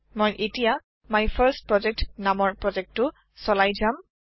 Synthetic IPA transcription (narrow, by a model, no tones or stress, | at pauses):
mojʔetija | majpʰəɹst̚pɹɔd͡ʒɛk̚tnamɔɹpɹɔd͡ʒɛk̚tːʊ | sɔlajzam